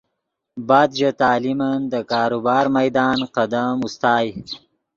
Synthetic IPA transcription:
bɑːd̪d͡ʒat̪ɑːlimand̪əkɑːɾubɑːɾmɐjd̪ɑːnqad̪amust̪ɑːj

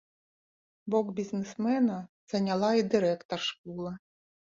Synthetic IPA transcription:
bɔɡbʲiznɪsmɛnɐz̥ɐnʲɐlˠɑid̪ɪɾɛkt̪ɔrʃkulˠɪ

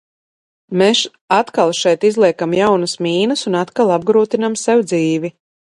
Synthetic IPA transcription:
meʃ | at̪kalˠʃɛjt̪izlˠiɛkamjawnɐsmʲiːnɐsunat̪kalˠab̚ɡɾuːt̪inamsɛwd̪ziːvi

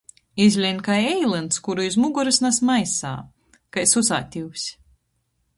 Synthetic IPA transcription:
izʲlʲinkajɛjlˠɨnt̪skuɾuizmuɡuɾɨsnasmajsa̰ː | kajsusaːt̪ʲiwsʲ

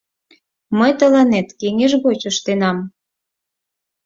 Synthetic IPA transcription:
məjt̪ə̆lɑnet̪keŋeʒɣot͡ɕəʃt̪enɑm

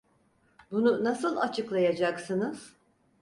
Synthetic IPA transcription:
bununasɯlˠat͡ʃʰɯklˠajad͡ʒaksɯnɯz̥

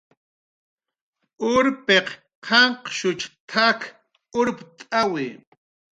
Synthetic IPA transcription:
ʊɾpeq | qʰɑɴqʃʊt͡ʃt̪ʰak | ʊɾpt̪ʼawɪ

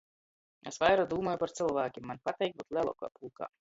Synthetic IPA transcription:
esvajɾad̪uːmɔːjupaɾt̪silˠvæːkʲimːanpat̪ɛjk̚but̪lˠʲɛlˠɔ̰ka̰ːpulˠka̰ː

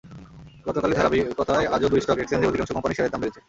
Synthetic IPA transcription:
ɡɔt̪okaled̪ʱaɾabiɡɔt̪oaead͡ʑod̪ujʃʈɔkɛksend̪iod̪ikanʃokɔmpaniʃaɾed̪ambelet͡ɕʰe

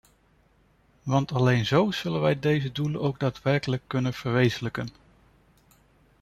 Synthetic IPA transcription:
ʋɑntɑlejnzowz̥ɵlənʋɛjdejzədulənowɡ̚daːtʋɛɹkələkːɵnənv̥əɹʋejzələkən

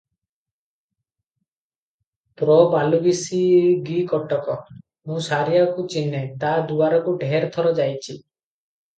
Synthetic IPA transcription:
pɾɔbalubisiɡikɔʈɔkɔ | mũsaɾijakut͡ʃinːet̪ad̪uaɾɔkuɖʱeɾt̪ʰɔɾɔd͡ʒajt͡ʃʰi

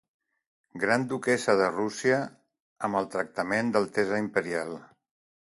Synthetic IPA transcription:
ɡɾand̪ukɛsəðərusiə | əməlˠt̪ɾək̚t̪əmend̪əlˠt̪ɛzəimpəɾialˠ

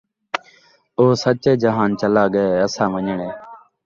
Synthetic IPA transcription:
oːsət͡ʃeːd͡ʒəɦaːnt͡ʃəlaːɠəeːəsãːʋəɲəɳeː

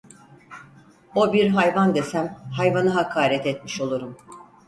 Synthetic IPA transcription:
o̞biɾɦajvand̪esæmhajvanɯɦakʰaːɾɛt̪ɛt̪miʃo̞lˠuɾum

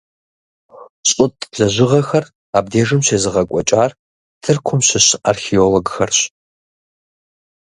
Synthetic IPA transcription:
ɕʼʊtʼɮɐʑɪʁɐxɐr | aːb̚deːʐɨmɕeːzɨʁɐkʷʼɔt͡ʃʼaːr | tʰɨrkʷʰʊmɕɪɕa̰rxioloɡxɐrɕ

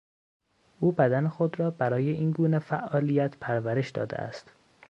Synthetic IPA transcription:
ʔuːbæd̪ænexod̪ɾɒːbæɾɒːjeʔiːnɡuːnefæʔɒːlijæt̪ʰpʰæɾvæɾe̞ʃd̪ɒ̰ːd̪ḛæ̰st̪

